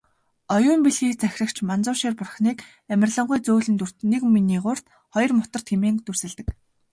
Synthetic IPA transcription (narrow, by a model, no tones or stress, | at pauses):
ɔjʊːmpiɮɣiːkt͡sæxʲrə̆kt͡ɕʰmant͡sʊːʃeːrpʊrχniːk | æmʲɪ̆rɮɞ̆ɴɢʊjt͡soːɮɘ̆nt̪ur̥t̪nːekminiːkʊr̥t̪ | χɔjɞ̆rmʊt̪ə̆rt̪xemeːŋt̪ursɘ̆ɮt̪ɘ̆k